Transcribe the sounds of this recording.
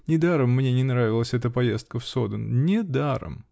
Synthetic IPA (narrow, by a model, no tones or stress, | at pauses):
nʲɪd̪aɾəmːnʲe̞nʲɪnɾavʲɪlˠəsʲɛt̪əpɐjest̪̚kəfso̞d̪ənnʲɪd̪aɾə̰m